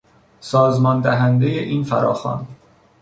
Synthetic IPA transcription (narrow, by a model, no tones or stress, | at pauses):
sɒːzmɒːnd̪æɦænd̪ejeʔiːnfæɾɒːxɒ̰ːn